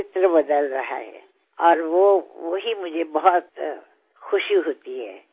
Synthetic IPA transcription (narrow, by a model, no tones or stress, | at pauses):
ɪt̪ɾəbɐd̪əlɾɐɦa̰ɦɛ̰ | ɔːɾʋoʋoɦimʊd͡ʒʱebɐɦɔt̪ | xʊʃjuɦoːt̪iɦɛ̰ː